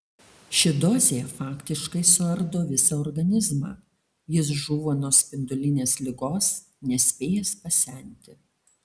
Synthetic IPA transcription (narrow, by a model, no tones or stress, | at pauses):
ʃʲɪd̪ɔːzʲejɛfɑːkʲt̪ʲɪʃkɐɪsʊɐɾd̪oːʋʲɪsɐɔɾɡɐnʲɪzmɑ̰ː | jɪs̬ʒuːʋoːnuːsʲpʲɪnd̪ʊlʲɪnʲeːslʲɪɡoːs | nʲɛsʲpʲeːjɛspɐsʲɛˑnʲt̪ʲɪ